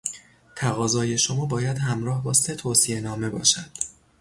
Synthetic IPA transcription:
t̪ʰæɣɒːzɒːje̞ʃo̞mɒːbɒːjæd̪ɦæmɾɒːhbɒːse̞t̪ʰoːsie̞nɒːme̞bɒ̰ːʃæd̪̥

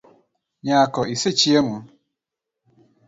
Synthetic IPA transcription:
ɲakɔʔiset͡ʃiemʊ

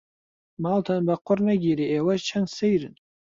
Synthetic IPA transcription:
maltʰanbaqʷʰːʊrnaɡʲiɾiewazt͡ʃʰansejrɨn

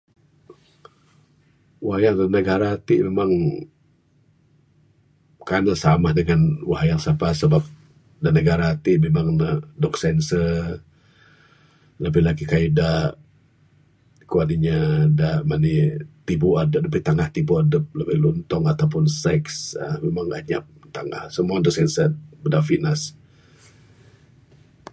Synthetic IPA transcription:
waɦajaŋdanəɡaɾaːt̪iʔmemaŋ | kanasamahdəŋanwaɦajaŋsapasəbap̚ | danəɡaɾaːt̪iʔmemaŋnədɔk̚sɛnsə | ləbəhlakikaidaʔ | kuaniɲadaʔmanit̪ibuadəp̚dəbiht̪aŋaht̪ibuadəp̚ləbəhlunt̪ɔŋat̪awpʊnsɛksamemaŋa̰ɲap̚t̪aŋahsəmuandɔk̚sɛnsəbədafinas

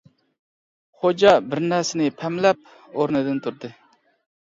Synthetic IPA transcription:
χod͡ʒɑbɪɾnɛɾsɪnɪpʰɛmlɛp̚ | oɾnɨd̪ɪnt̪ʰuɾd̪ɨ

